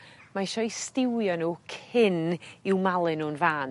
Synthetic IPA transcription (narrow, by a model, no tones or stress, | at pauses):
maʃɔjstɪwjɔnuːkʰɪnɪwmalˠɨnuːnvaːn